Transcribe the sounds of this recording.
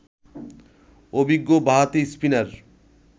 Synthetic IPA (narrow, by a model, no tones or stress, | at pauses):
obiɡːobaɦat̪ispinaɾ